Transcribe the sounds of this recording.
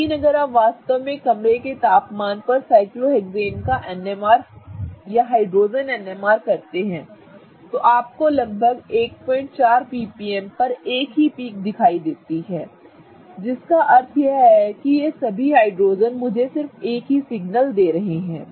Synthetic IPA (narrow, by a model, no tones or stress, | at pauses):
inɐɡəɾaːpʋaːst̪ɐʋmẽkɐmɾeket̪aːpmaːnpɐɾsaːɪkloeːkzeːnkaʔɛnemaːɾjaɦaːɪɖɾoːzənɛːnemaːɾkɐɾt̪eɦɛ̃ː | t̪oʔaːp̚kolɐɡ̚bʱəɡeːk̚pɔ̃ːɪ̃ɳʈt͡ʃaːɾpiːpiːɛmpɐɾeːkɦipiːk̚d̪ɪkʰaːid̪eːt̪iɦɛ̃ː | d͡ʒɪskaʔɐɾt̪ʰjeɦɛkijesɐbʱiɦaːɪɖɾoːzənmʊd͡ʒʱesɪɾfeːkɦisɪɡnəld̪eːɾɐɦeɦɛ̃ː